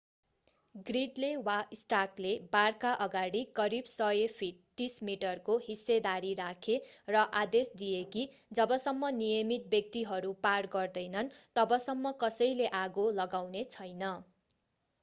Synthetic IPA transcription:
ɡriɖlewaisʈaklebarkaʔʌɡaɽikʌɾibsʌjepʰiʈt̪ːismiʈʌrkoɦisːed̪aɾirakʰerʌʔad̪esd̪ijeki | d͡zʌbʌsʌmːʌnijʌmit̪̚bjʌk̚t̪iɦʌɾuparɡʌrd̪ʌjnʌnt̪ʌbʌsʌmːʌkʌsʌjleʔaɡolʌɡawnet͡sʰʌjnʌ

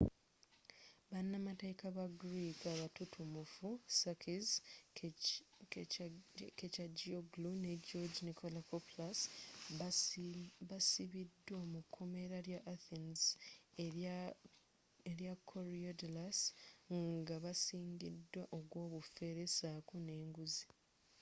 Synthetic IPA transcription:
βanːamatekaβaɡɾikaβatutʰumufusakʰiz | kecaɟioɡluneɟod͡ʒnikolakoplas | βasiβidːwamukʰːo̞me̞ɾaɾjaʔːθinz | eɾjakʰːoɾiodlasŋɡaβasiːŋɡḭdːwaʔoɡwo̞ːβufe̞ɾe̞saːkune̞ːŋɡuzi

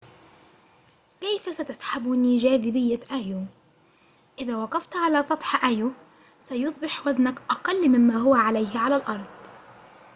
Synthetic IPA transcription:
kajfasat̪asħabniːʒaːðɪbɪjːaʔaju | ʔɪðaːwɑqɑft̪ʕalaːsˤɑt̪ˤħʔaju | sajʊsˤbɪħwaznakʔɑqɑlːmɪmːaːɦʊwaʕalajhʕalalʔɑɾˤd̪ˤ

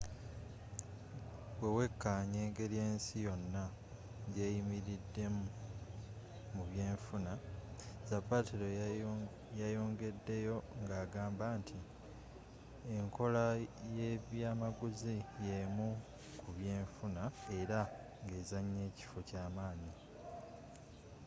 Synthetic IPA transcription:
we̞we̞kʰːaːɲe̞ːŋɡe̞lje̞ːnsijo̞nːa | ɟeːjimiɾidːe̞m | muβje̞ːɱfunazapatiɾo | jajo̞ːŋɡe̞dːe̞jo̞ŋɡaːɡaːmbaːntʰi | eŋkʰo̞laje̞βjaːmaɡuzijemu | kuβje̞ːɱfunae̞ɾa | ŋɡe̞ːzaɲːe̞ːci̥focaːmaːɲi

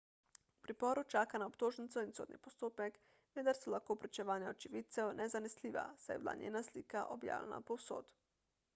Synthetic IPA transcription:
upɾipɔːɾut͡ʃaːkanaopt̪oːʒnit̪sɔinso̰ːd̪nḭpost̪oːpɛk | ʋɛd̪aɾsɛlaxkoːpɾɛt͡ʃɛʋaːnjaot͡ʃiʋiːt̪sɛwnʔɛzanɛsliːʋa̰sajɛ̰bla̰ːnʔḛːnasliːkaʔobja̰ːwlɛ̰na̰powso̰ːt̪

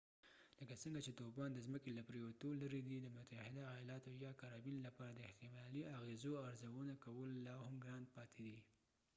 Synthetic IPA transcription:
ləkasəŋɡat͡ʃet̪obɑnd̪əzməkelapɾewat̪olaɾid̪id̪əmʊt̪ahɪd̪ajɑlɑt̪ojɑkaɾɑbinlapɑɾad̪əɪht̪ɪmɑliaɣezoaɾzawənakawəlːɑhamɡɾɑnd̪pɑt̪ʰed̪i

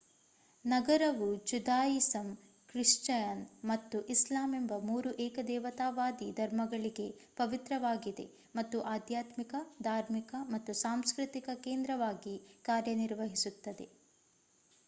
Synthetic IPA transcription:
nɐɡɐɾɐʋud͡ʒud̪aːjisɐm | kɾiʂt͡ʃɐjɐnmɐt̪ːuʔislaːmembɐmuːɾuʔɛːkɐd̪ɛːʋɐt̪aːʋaːd̪id̪ʱɐɾmɐɡɐɭiɡe̞pɐʋit̪ɾɐʋaːɡid̪e̞̰ | mɐt̪ːuʔaːd̪ʱjaːt̪mikɐd̪ʱaːɾmikɐmɐt̪ːusaːmskɾɨt̪ikɐkeːnd̪ɾɐʋaːɡikaːɾjɐniɾʋɐɦisut̪ːɐd̪e̞̰

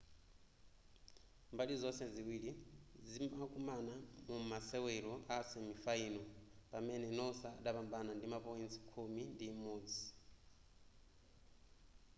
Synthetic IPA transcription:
mbaɗizɔsɛziwiɺizimakʼumanamumasɛwɛɺɔʔasɛmifaiːnɔpamɛnɛnɔsaɗaβambanandimapɔint͡si̥kʰomindiːmoːd͡zi

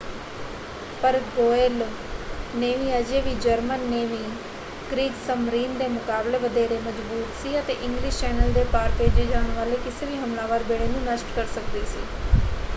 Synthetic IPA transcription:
pəɾɡoːeːl | neːʋiːəd͡ʒeːʋiːd͡ʒəɾmənːeːʋiː | ɡ̥ɾiːɡsəmɾiːnd̪eːmʊkaːbleːʋəd̪eːɾeːməd͡ʒbuːt̪siːət̪eːʔɪ̃ŋɡlɪːʃt͡ʃɛːnəld̪eːpaːɾpeːd͡ʒeːd͡ʒaːɳʋaːleːkɪseːʋiːɦəmlãːʋaːɾbeːɽeːnũːnəsʈkəɾsək̚d̪iːsiː

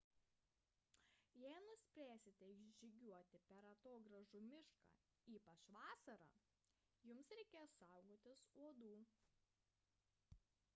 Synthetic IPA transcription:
jɛɪnʊsʲpʲɾʲæːsʲɪt̪ʲɛɪʒd͡ʒʲɪɡʲuɔt̪ʲɪpʲɛɾɐt̪oːɡɾɐʒuːmʲɪʃkɑ̰ː | iːpɐt͡ʃʋɑːsɐɾɑ̰ː | jʊmsɾʲɛɪkʲeːjsɑˑʊɡoːt̪ʲɪsuɔd̪uː

